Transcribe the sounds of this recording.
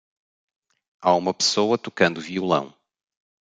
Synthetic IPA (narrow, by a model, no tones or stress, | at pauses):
aumɐpɨ̥sowɐt̪ukɐ̃nd̪uviulˠɐ̰̃w̃